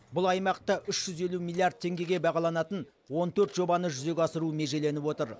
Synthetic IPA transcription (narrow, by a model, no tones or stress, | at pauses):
bʊlˠɑjmɑq̚t̪ɑʔʏʃʒ̥ʏze̞lumʲilːˠiard̪̚t̪ʰːe̞ŋɡʲe̞ɡʲe̞bɑʁɑlˠɑnɑt̪ən | wo̞nt̪ʰɵɾt̪ʒo̞bɑnəʒʏze̞kʲɑsəɾume̞ʒe̞le̞nɪpwo̞t̪əɾ